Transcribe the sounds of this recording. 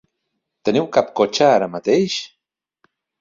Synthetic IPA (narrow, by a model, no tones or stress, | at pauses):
t̪enewkap̚kot͡ʃaɾamat̪ejʃ